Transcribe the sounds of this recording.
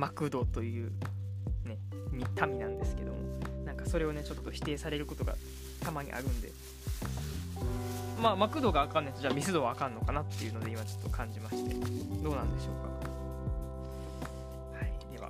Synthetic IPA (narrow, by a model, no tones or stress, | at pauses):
makɯ̟d̪o̞t̪o̞jɯ̟ː | ne̞ | mʲit̪ʰamʲinãnd̪e̞sɨ̥ke̞d̪o̞̰mo̰nãŋkaso̞ɾe̞o̞ne̞t͡ɕo̞t̪ːo̞çi̥t̪e̞ːsaɾe̞ɾɯ̟ko̞t̪o̞ɡa̰ | t̪amaɲ̟ḭʔa̰ɾɯ̟̃nd̪ẽ̞̰ | maːmakɯ̟d̪o̞ɡaːkãnːait̪oʑaːmʲisɨd̪o̞βaːkãnːo̞kanat̪ːe̞jɯ̟no̞d̪e̞imat͡ɕo̞t̪ːo̞kʰãɲ̟d͡ʑimaɕi̥t̪ed̪o̞ːnãnd̪e̞ɕo̞ːka̰ | haid̪e̞βa̰